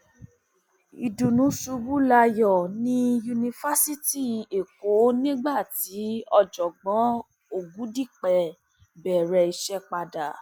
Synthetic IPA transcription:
i˨dũ˨nũ˨˦su˧bu˦la˧jɔ˨nĩ˦ju˧nĩ˧fa˦si˦ti˦˨e˨ko˨˦nĩ˦ɡ͡ba˦˨ti˨˦ɔ˧d͡ʒɔ˨ɡ͡bɔ̃˨˦ | o˦˨ɡũ˨˦di˦˨k͡pɛ˨ | bɛ˨ɾɛ˧i˧˨ʃɛ˧k͡pa˧da˨

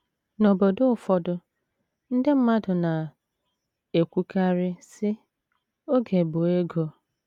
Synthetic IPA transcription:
no˨bo˨dʊ˦ʊ˨fɔ˨dʊ˦ | n̩˦dɪ˦m̩˦ma˦dʊ˨na˨ | e˨kʷu˦ka˦ɾɪ˦sɪ˦ | o˦ɡe˨bo˨e˦ɡo˦

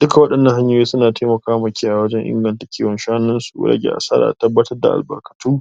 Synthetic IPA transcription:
d̥ʊ˦ka˨wɐ˦ɗɐ˨nːɐ˦ŋɦa˦ɲjoː˦jeː˦sʊ˦naː˨teː˦mɐ˨kaː˦wa˦mɐ˨kʲʰe˦ʔa˨wɐ˦d͡ʒɛ˦ŋʔɪ̰˦ŋɡɐ˨nta˨kʲeː˦wɐ˨nʃa˦nɐ˦nsu˨ʔɽɐ̰˦ɡʲḛ˨ʔa̰˨sa̰ː˦ɾa̰ː˨ʔtɐ˦bːɐ˦tɐ˦rda̰˨ʔa̰˨lbɐ̰˨rkɐ̥˨tuː˦

